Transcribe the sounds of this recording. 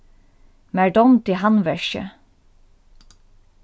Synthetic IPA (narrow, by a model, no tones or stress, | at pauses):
mæɖɔmt̪iːhɑnʋɛʃə̰